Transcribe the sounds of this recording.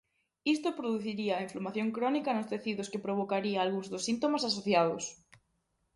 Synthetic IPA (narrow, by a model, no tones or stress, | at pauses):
ist̪opɾoðuθiɾiɐiɱflomaθjõŋkɾɔnikɐnʊst̪eθiðʊskepɾoβokaɾiaːlɣuŋzðʊsːint̪omasas̬oθjaðʊ̰s